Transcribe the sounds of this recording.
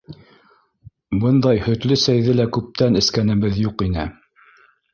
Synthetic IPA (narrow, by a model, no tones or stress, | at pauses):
bɤnd̪ɑjhɵ̆t̪lɵsæjðɘlækʉp̚t̪ænɘ̆skænɘ̆βɘðjuqinɘ